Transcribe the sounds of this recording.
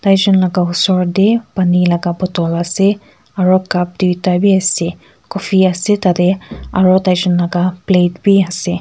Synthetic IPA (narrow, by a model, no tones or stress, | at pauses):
tajzɔnlaɡausɔɹdepanilaɡabɔtɔlasɛ | aɹɔkap̚diwtabiasɛ | kɔfʰiasɛtadɛaɹɔtajzɔnlaɡapletbiasɛ